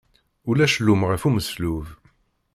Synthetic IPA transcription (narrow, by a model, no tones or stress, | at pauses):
ulæʃlːumʁəfuməsluv